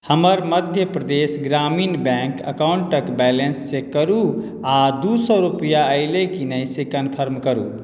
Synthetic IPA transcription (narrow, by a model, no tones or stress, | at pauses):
həməɾməd̪ʱjəpɾəd̪esɡɾaminbɛ̃ŋkə̰kawɳʈəkbɛlensːekəɾu | ad̪usɔɾupjaəɪlekinəjsekənpʰəɾmkəɾṵ